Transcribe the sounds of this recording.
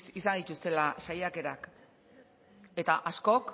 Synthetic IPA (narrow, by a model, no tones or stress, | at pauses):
is̬and̪it̪ust̪e̞lasajake̞ɾak | e̞t̪aʔasko̞k